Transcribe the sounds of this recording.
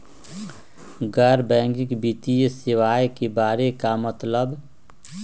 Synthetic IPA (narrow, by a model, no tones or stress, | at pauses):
ɡəɾbɛ̃ːŋɡɪkbit̪ijsɪʋaːjkebaːɾekamət̪ləb